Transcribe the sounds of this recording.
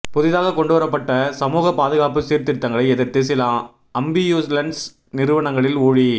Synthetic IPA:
pɔðɪðaːɣɐkɔɳɖɯʋɐɾɐpːɐʈːɐsɐmuːɣɐpaːðɯɣaːpɯt̪iːɾt̪ɪɾt̪ːɐŋɡɐɭɐɪɛðɐɾt̪eːs̬ɪlaːm | ɐmbijuːslɐɳɖs | nɪɾɯʋɐɳɐŋɡɐɭɪluːɻi

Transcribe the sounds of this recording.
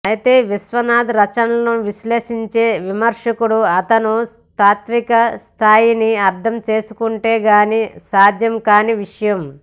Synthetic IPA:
ɐjit̪e̞ːʋisʋɐnaːd̪ɾɐt͡ʃɐnɐɐnuʋiʃleːʂiɲt͡ʃe̞ːʋimɐɾʂɐkuɽuɐt̪ɐnu | t̪aːt̪mikɐst̪ʰaːjiniɐɾt̪ʰɐmt͡ʃe̞ːsukuɳʈeːɡaːnisaːd̪ʱjɐmkaːniʋiʂɐjɐm

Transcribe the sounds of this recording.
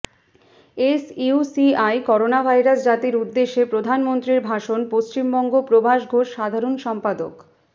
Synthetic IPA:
esiusiajkɔɾonabʱajɾasd͡ʑat̪iɾud̪ːeʃːepɾod̪ʱanmont̪ɾiɾbʱaʃonpost͡ɕimbɔŋɡopɾobʱaʃɡʱoʃʃad̪ʱaɾonʃɔmpad̪o̰k

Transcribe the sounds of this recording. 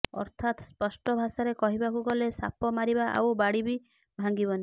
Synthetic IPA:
ɔ̰ɾt̪ʰat̪spɔsʈɔbʱasaɾekɔɦibakuɡɔlesa̰pɔmaɾibaʔa̰wbaɽibi | bʱaŋɡibɔni

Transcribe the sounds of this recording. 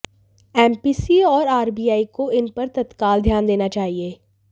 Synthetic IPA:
ɛːmpiːsiɔːɾaːɾbiːaːikoɪnpɐɾt̪ɐt̪kaːld̪ʱjaːnd̪eːnat͡ʃaːɦieː

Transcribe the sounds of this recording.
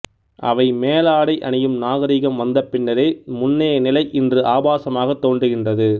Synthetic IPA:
ʔɐ̰ʋɐɪmeːlaːɽɐɪʔɐ̰nɪjɯmnaːɣɐɾiːɣɐmʋɐnd̪ɐpːɪnːɐɾeːmʊnːɐjɐnɪlɐɪʔɪndrɯʔaːbaːsɐmaːɣɐt̪ːoːndrɯɣɪndrɐðɯ

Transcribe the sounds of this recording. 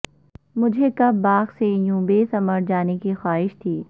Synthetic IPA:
mʊd͡ʒʱekɐbaːqsejũːbesɐməɾd͡ʒaːnekixwaːɦɪʃt̪ʰiː

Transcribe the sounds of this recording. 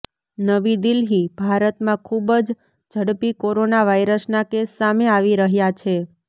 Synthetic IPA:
nəʋid̪ilɦibʱaɾət̪mãkʰubd͡ʒ | d͡ʒʱəɽpikoɾonaʋaiɾəsnakesːameaʋiɾəɦjat͡ʃʰe

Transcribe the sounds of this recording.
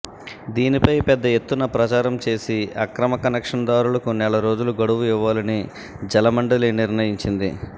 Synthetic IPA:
d̪iːnipɐjpɛd̪ːɐe̞t̪ːunɐpɾɐt͡ʃaːɾɐmt͡ʃe̞ːsiɐkɾɐmɐkɐnɐkʂɐnɐd̪aːɾulɐkunɛɭɐɾo̞ːd͡ʒuluɡɐɽuʋuiʋːaːlɐni | d͡ʒɐlɐmɐɳɖɐliniɾnɐjiɲt͡ʃind̪ḭ

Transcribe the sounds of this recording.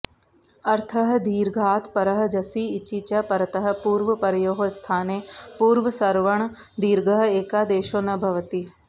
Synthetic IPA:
ɐɾt̪ʰɐɦɐ̆d̪iːɾɡʱaːt̪pɐɾɐɦɐ̆d͡ʒɐsiːt͡ʃit͡ʃɐpɐɾɐt̪ɐɦɐ̆puːɾʋɐpɐɾɐjoːɦost̪ʰaːneːpuːɾʋɐsɐɾʋɐɳ̃ | d̪iːɾɡɐɦɐ̆eːkaːd̪eːʃoːnɐbʱɐʋɐt̪i

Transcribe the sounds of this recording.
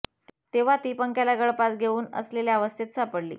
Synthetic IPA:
t̪eʋ̤at̪iːpəŋkjalaɡəɭpat͡sɡʱeuːnə̰sleljaaʋəst̪ʰet̪sapəɽlḭː

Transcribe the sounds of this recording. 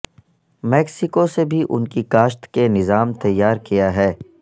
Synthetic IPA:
mɛːksɪkosebʱiʔʊ̰nkikaːʃt̪kenɪzaːmt̪ɐjːaːɾkijaɦɛː

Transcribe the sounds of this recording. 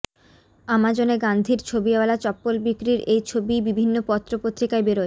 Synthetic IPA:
amad͡ʑoneɡand̪ʱiɾt͡ɕʰobiewalat͡ɕɔpːolbikɾiɾejt͡ɕʰobibibʱinːopɔt̪ːɾopot̪ːɾikaebeɾo

